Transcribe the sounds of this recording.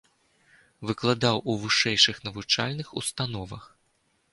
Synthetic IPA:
vɨklˠad̪awuvɨʂɛjʂɨxnɐvut͡ʂa̰lʲnɨxṵst̪an̪ɔvɐ̰x

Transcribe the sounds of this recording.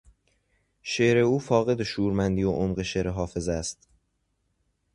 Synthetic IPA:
ʃe̞ɾe̞uːfɒːɣe̞d̪eʃuːɾmænd̪iːoʔomɢeʃeɾeɦɒːfe̞zæst̪

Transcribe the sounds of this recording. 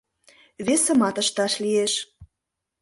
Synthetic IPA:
βesə̆mɑt̪ə̆ʃt̪ɑʃlieʃ

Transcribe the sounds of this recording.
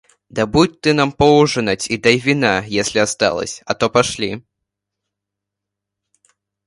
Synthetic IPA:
d̪ɐbutʲt̪ːɨnampɔwʐɨnat͡sʲid̪ajvʲinajesʲlʲiast̪a̰lˠɐ̰sʲɐt̪ɔpaʂlʲi

